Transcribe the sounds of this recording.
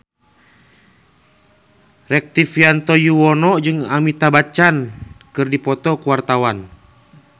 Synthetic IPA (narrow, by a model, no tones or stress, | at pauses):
rɛk̚t̪ifiant̪ɔjuwɔnɔd͡ʒɨŋamit̪abat͡ʃankɨrdipɔt̪ɔkuwart̪awan